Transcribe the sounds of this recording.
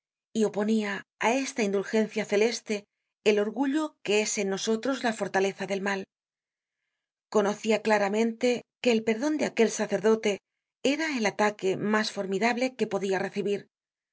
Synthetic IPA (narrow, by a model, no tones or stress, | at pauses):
iopo̞niaae̞st̪aind̪ulxe̞n̟θjaθe̞le̞st̪e̞ː | lo̞ɾɣuʎo̞ke̞e̞senːo̞so̞t̪ɾo̞zlafo̞ɾt̪ale̞θaðe̞lmal | ko̞no̞θiaklaɾamẽ̞nt̪e̞ke̞ːlpe̞ɾðo̞nd̪eake̞lsaθe̞ɾðo̞t̪e̞ | e̞ɾaelat̪ake̞masfo̞ɾmiðaβle̞ke̞po̞ðiare̞θiβiɾ